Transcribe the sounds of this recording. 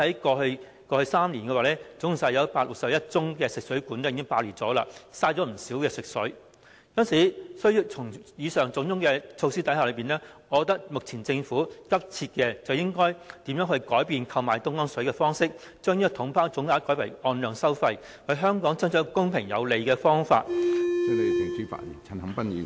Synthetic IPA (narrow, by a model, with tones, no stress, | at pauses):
hɐ˨˥jkɔː˧ɵ˧ɥ | kɔː˧hɵ˧ɥsaː˥mnli˨˩nkɛ˧waː˨˩lɛː˥t͡sʊ˨˥ŋ˨˩saː˨˧˩jɐ˨˧wpaː˧t̚lʊ˨k̚sɐ˨p̚jɐ˥t̚t͡sʊ˥ŋkɛː˧sɪ˨k̚sɵ˨˥ɥkuː˨˥nɛ˥ji˨kɪ˥ŋpaː˧liː˨˩t͡sɔː˨˥la̰ː˧saː˧t͡ʃɔː˨˥m̩˨˩siː˨˥wkɛː˧sɪ˨k̚sɵ˨˥ɥ | kɐ˥nsiː˨˥sɵ˥ɥjiː˧t͡sʰʊ˨˩ŋjiː˨˧sœː˨ŋt͡sʊ˨˥ŋt͡sʊ˥ŋkɛː˧t͡sʰo˧wsiː˥t̪ɐ˨˥jha˨lɵ˨˧ɥpiː˨˩nɛː˥ɔ˨˧ɔ˧t̪ɐ˥k̚mʊ˨k̚t͡sʰiː˨˩nt͡sɪ˧ŋfuː˨˥kɐ˥p̚t͡sʰiː˧t̚kɛː˧t͡sɐ˨wjɪ˥ŋkɔː˥jt̪iː˨˥mjœː˨˥ŋhɵ˧ɥkɔː˨˥jpiː˧nkʰɐ˧wmaː˨˩jt̪ʊ˥ŋɔː˥ŋsɵ˨˥ɥkɛː˧fɔː˥ŋsɪ˥k̚ | t͡ʃœː˥ŋniː˥t̪ʰʊ˨˥ŋpʰaː˥wt͡sʊ˨˥ŋkaː˨˥kɔː˨˥jpʰɐ˨˩jɔː˧nlœː˨ŋsɐ˥wfɐ˧j | hɐ˨˧ɦœː˥ŋkɔː˨˥ŋt͡sɐ˥nt͡ʃɔː˨˧˥kʊ˥ŋpʰɪ˨˩ŋjɐ˨˧wle˨˧jkɛː˧fɔː˥ŋfa̰ː˧t̚ɛ˨˥ne˨˧˨tɪ˨˩ŋkʰi˨˥fa̰˧˩tḭ˨˩t͡sʰɐ˨˧nhɐ˨˥ŋpɐ˥nḭː˨˧